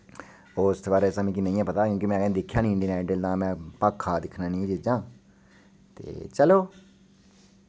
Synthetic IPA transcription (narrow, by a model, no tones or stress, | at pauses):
oːst̪ːbaːɾesãːmĩːk̬ɪnĩːãːpət̪aːkjõːkimɛ̃ːkɛd̪ɪkʰːjãːnĩːɪɳɖiːnɛːɖəld̪ãːmɛ̃ːpaːkʰːaːd̪ɪkʰnaːnĩːd͡ʒɪd͡ʒãː | t̪ḛːt͡ʃəloː